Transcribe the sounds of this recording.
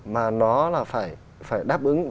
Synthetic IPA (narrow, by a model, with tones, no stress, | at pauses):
maː˨˩nɔ˨˦laː˨˩faː˧˩j | faː˧˩jɗaː˦˥p̚ʔɨ˨˦ŋ